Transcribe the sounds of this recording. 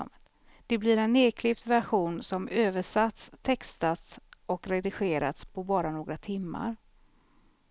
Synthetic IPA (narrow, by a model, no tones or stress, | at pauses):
d̪̥ɛblɪɾɛneːkʰlɪpt̪væɧuːnsɔmøːvəʂat̪st̪ʰɛkst̪at̪sɔkɾɛd̪ɪɧeːɾa̰t̪spʰɔbɑːɾanoːɡɾat̪ʰɪmːa̰ɾ